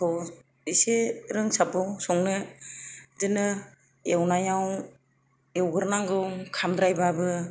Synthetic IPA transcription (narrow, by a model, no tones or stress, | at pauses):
tʰɔ | iseɾɯŋsabɯwsɔŋnɯ | zɯnɯ | ewnajaw | ewɡɯɾnaŋɡɯwkʰamd̪ɾajbabɯ